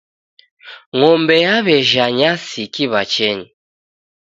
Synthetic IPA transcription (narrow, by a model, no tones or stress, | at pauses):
ŋɔmbɛjaβɛʒaɲasikiβat͡ʃɛɲi